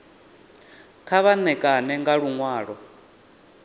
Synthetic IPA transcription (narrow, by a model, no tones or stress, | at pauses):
kʰaβanɛkʼanɛŋɡaɺuŋwaːɺɔ